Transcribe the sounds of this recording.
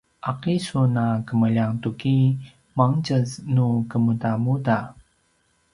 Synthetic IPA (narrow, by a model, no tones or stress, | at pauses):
ʔaqisunakəməʎaŋtuki | maŋt͡ʃəsnukəmudamuda